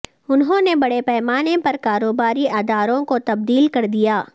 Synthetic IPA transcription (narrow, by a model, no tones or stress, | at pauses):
ʊnɦõnebɐɽepɛːmaːnepɐɾkaːɾoːbaːɾiʔaːd̪aːɾõkot̪ɐb̚d̪iːlkɐɾd̪ijaː